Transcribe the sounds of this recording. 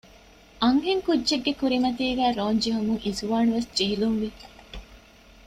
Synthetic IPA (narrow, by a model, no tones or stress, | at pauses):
ʔɐŋheŋkudːeɡːekuɾimɐt̪iːɡæːɾoːɲd͡ʒeɦumuŋizuʋaːnuʋesd͡ʒeɦiluŋʋi